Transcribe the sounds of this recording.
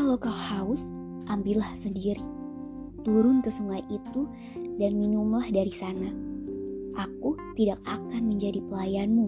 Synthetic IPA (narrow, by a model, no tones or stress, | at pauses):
kalowkahaʊs | ʔambilahsəndiɾi | t̪uɾʊnkəsuŋajʔit̪u | danminumlahdaɾisana | ʔakut̪idak̚akanməɲd͡ʒadipəlajanmu